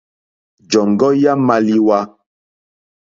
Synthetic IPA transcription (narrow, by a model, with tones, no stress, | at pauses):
d͡ʒɔ˨ŋ˨ɡɔ˦ja˦ma˦li˦wa˦